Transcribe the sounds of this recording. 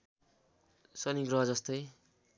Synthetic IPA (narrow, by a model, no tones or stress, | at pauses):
sʌniɡɾʌɦʌd͡zʌst̪ʌj